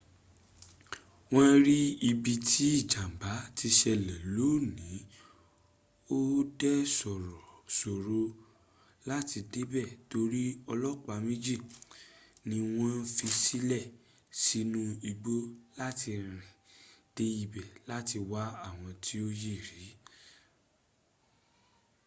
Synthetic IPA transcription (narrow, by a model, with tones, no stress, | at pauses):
w̃ɔ̃˦ɾi˦i˧bi˧tʰi˦i˦˨d͡ʒa˨m˨ba˨˦ti˧ʃɛ˧lɛ˨lo˨˦nĩ˨˦ | o˦dɛ˦sɔ˨ɾɔ˨so˨ɾo˧ | la˦ti˧de˦bɛ˦˨to˧ɾi˦ɔ˧lɔ˦k͡pa˧˦mĩ˦d͡ʒi˦˨ | nĩ˧w̃ɔ̃˦n̩˦fi˧si˦lɛ˦˨ | si˦nũ˦i˧ɡ͡bo˦la˦ti˧ɾ̃ĩ˨d̥e˦i˦˧˨bɛ˨la˦ti˧wa˦a˦˨w̃ɔ̃˧tʰi˦o˦je˦˨ɾi˨˦